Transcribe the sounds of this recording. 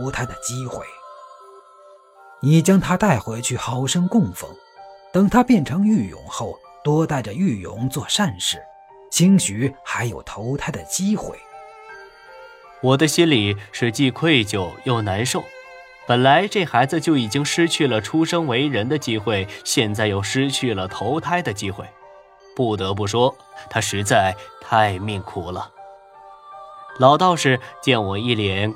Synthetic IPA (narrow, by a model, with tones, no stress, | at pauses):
ʊt̪ʰa˥d̪ə˨t͡ɕi˥xwḛ˥˩ɪ | ni˨˩t͡ɕjɑ˥ŋt̪ʰa˥t̪a˥˩ɪxwe˧˥ɪt͡ɕʰy˥˩xɑ˧˥ʊʂɤ˥ŋkʊ˥˧ŋfɤ̰˧˥ŋ | t̪ɤ˨˩ŋt̪ʰa˥pjɛ˥˩nʈ͡ʂʰɤ˧˥ŋy˥˩jʊ̰˧˥ŋxo˥˩ʊ | t̪wɔ˥t̪a˥˩ɪʈ͡ʂə˩y˥˩jʊ̰˧˥ŋt͡swɔ˥˧ʂa˥˧nʂɻ̩˥˩ | t͡ɕʰi˥ŋɕy˧˥xa˧˥ɪjo˨˩ʊt̪ʰo˧˥ʊt̪ʰa˥d̪ə˨t͡ɕi˥xwḛ˥˩ɪ | wɔ˨˩d̪ə˦ɕi˥nli˨˩ʂɻ̩˥˧t͡ɕi˥˧kʰwe˥˧ɪt͡ɕjo˥˧ʊjo˥˩ʊna˧˥nʂo˥˩ʊ | pə˨˩nla˧˥ɪʈ͡ʂe˥˩xa˧˥ɪd͡zɹ̩˧t͡ɕjo˥˩ʊi˨˩t͡ɕi˥ŋʂɻ̩˥t͡ɕʰy˥˩lə˩ʈ͡ʂʰu˥ʂɤ˥ŋwe˧˥ɪɻə˧˥nd̪ə˧t͡ɕi˥xwe˥˩ɪɕjɛ˥˧nt͡sa˥˧ɪjo˥˩ʊʂɻ̩˥t͡ɕʰy˥˩lə˩t̪ʰo˧˥ʊt̪ʰa˥ɪd̪ə˨t͡ɕi˥xwe˥˩ɪ | pu˥˩t̪ɤ˧˥p̬u˥˩ʂwɔ˥ | t̪ʰa˥ʂɻ̩˧˥t͡sa˥˧ɪt̪ʰa˥˧ɪmi˥˧ŋkʰu˨˥˩lə˩ | lɑ˨˧˩ʊt̪ɑ˥˧ʊʂɻ̩˥˧˩t͡ɕjɛ˥˩nwɔ˨˩i˥˩ljɛ˧˥n